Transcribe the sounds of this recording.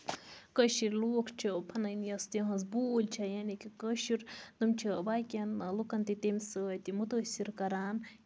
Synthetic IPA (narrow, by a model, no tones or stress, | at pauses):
kəʃiɾʲloːkʰt͡ʃʰipʰɐnɐjnjɐst̪eɦɐnzbulʲt͡ʃʰɐjaːnikikəʃiɾd̪ɨmt͡ʃʰibaːkʲɐnlukɐnt̪it̪emʲsɨt̪imut̪əːsʲiɾkɐɾaːn